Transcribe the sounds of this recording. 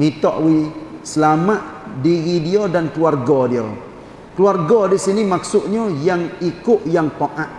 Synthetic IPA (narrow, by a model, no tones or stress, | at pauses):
mit̪ɔʔwisəlamaʔdiɣidiodankluarɡɔdio̰ | kluarɡɔdisinimaksʊʔ̪̚ɲɔjaŋikʊʔjaŋpoʔaʔ